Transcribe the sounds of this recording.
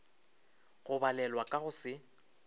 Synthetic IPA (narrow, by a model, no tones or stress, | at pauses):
ɣʊbalɛlwakʼaɣʊsɪ